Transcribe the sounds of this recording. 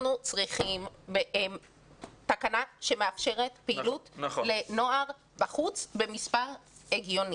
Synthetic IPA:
nut͡sʁiχimbeʔem | t̪akanaʃe̞meafʃe̞ʁe̞tpeilutleno̞aʁ | baχut͡sbe̞mispaʁeɡjo̞ni

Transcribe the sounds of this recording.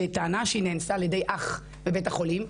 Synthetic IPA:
etaːnaʃeineːnsaːljedejʔaχ | bebetaχo̞lim

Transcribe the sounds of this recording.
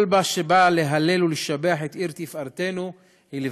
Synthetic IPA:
lbaʃebale̞ɦale̞luliʃabeaħet̪ʔiʁt̪ifʔaʁt̪e̞nu | hili

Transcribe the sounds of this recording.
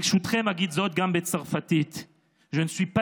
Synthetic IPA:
ʃut̪χemaɡid̪zot̪̚ɡambet͡saʁfat̪it̪ | ʒenswipa

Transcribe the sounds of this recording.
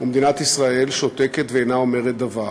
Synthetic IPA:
umed̪inat̪isʁae̞lʃo̞t̪eke̞t̪veenao̞me̞ʁet̪̚d̪ava

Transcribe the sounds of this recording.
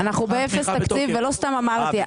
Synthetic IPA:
anaχnubeefest̪akt͡sivːelo̞st̪amamaʁt̪i

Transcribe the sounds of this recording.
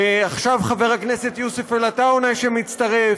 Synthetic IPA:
aχʃavχave̞ʁakne̞se̞t̪jusefelataonajʃemit͡st̪aʁe

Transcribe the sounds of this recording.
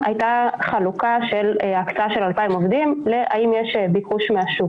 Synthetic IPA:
ajtaχalukaʃeleakt͡saaʃe̞lalpaimovd̪imleʔa̰imjeʃbikuʃmeaʃu

